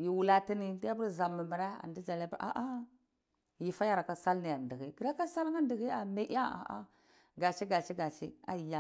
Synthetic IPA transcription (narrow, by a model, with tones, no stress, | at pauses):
ji˨wu˨la˦ti˦ni˦di˦a˦pu˦ɾza˨mːi˨mi˨ɾa˦a̰˨ndi˦d͡ʒa˨lpʔa̰˨ʔa˦ | ji˨fa˦ja˦ɾa˨ka˨sa˦lni˨ja˨ndi˨ɣi˦ɡi˨ɾa˦ka˦sa˦lŋa˦di˨ɣi˦a˨me˦ʔa˦a̰˨ʔa̰˦ | ɡa˨t͡ʃi˦ɡa˨t͡ʃi˦ɡa˨t͡ʃi˦a̰˦˨ja˦